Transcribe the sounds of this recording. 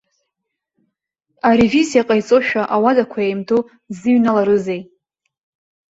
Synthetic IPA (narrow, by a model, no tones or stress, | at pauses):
aɾevisjaqʼajt͡sʼoʃᶣaʔawadakʷʰaejmtʰʼu | zɨɥnalaɾɨzej